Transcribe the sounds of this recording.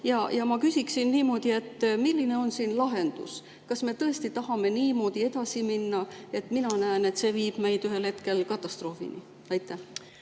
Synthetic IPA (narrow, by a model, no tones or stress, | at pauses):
jɑjɑmɑkysʲiksinːiːmo̞ːd̪̥ie̞t̪ːmilːine̞o̞nsiːnlɑɦe̞nd̪̥ṵs | kɑsme̞t̪ɤ̞e̞st̪it̪ɑɦɑme̞niːmo̞ːd̪̥ie̞d̪̥ɑsiminːɑe̞t̪ːˑminɑnæene̞t̪se̞ːviːb̥me̞jd̪yɦe̞lhe̞t̪ke̞lkɑt̪ːˑɑst̪ro̞ːfḭnḭ | ɑjt̪ːˑæh